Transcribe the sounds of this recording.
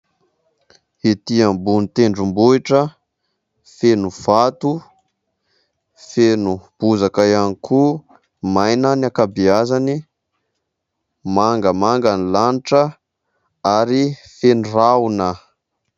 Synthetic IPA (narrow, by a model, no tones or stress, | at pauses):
it̪iambunit̪eɳɖ͡ʐumbuiʈ͡ʂə | fenuv̥at̪u | fenub̥uzakajanikʰu | majnaniakabiazani | maŋɡəmaŋɡanilaniʈ͡ʂə | aɾifeniraunə